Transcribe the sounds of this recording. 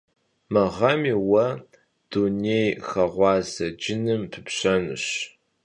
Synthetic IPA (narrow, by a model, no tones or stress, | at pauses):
mɐʁɐmiːwɐ | d̥unejxɐʁʷɑːzɐd͡ʒɪnɨmpʰɨpɕɐnɨ̰ɕ